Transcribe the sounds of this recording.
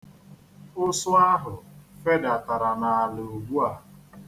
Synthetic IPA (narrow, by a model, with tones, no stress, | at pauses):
ʊ˦sʊ˦a˦ɦʊ˨fe˦da˨ta˨ɾa˨na˨a˨le˨o˨ɡ͡bu˦a˨